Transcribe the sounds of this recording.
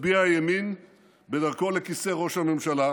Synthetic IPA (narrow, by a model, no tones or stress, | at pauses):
biajemin | be̞daʁko̞le̞kise̞ʁo̞ʃhame̞mʃala